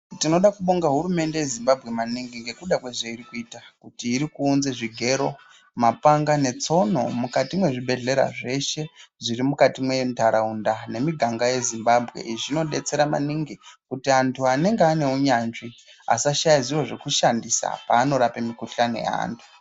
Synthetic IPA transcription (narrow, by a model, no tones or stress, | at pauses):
tino̞ɗakuɓoŋɡaɦuɾume̞nde̞je̞zimbabʱɣe̞maniŋɡiŋɡe̞kuɗakweʐeiɾikuiːtakutiːɾikuːnzeʐiɡʱe̞ɾo̞ | mapaŋɡane̞t͡so̞no̞mukatimwe̞ʐiɓʱe̞ɮe̞ɾa̰ʐe̞ʃe̞ʐiɾimukatimwe̞ntaɾaundane̞miɡʱaŋɡaje̞zimbabʱɣe̞̰ʔiʐino̞ɗe̞t͡se̞ɾama̰niŋɡikutiantʰuane̞ŋɡeane̞uɲaːnʐi | a̰saʃajaziro̞ʐe̞kuʃandisa̰paːno̞ɾapemikuɬano̰ḛa̰ːntʰu̥